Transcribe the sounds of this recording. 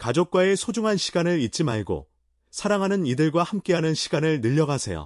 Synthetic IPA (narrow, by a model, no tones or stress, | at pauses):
kad͡ʑok̚k͈wae̞sʰod͡ʑuŋɦanɕʰi̥ɡanɯɾit̚t͡ɕ͈imaɭɡo̰ | sʰaɾaŋɦanɯnidɯɭɡwahamk͈e̞ɦanɯnɕʰi̥ɡanɯɭnɯʎːʌɡasʰe̞̰jo̰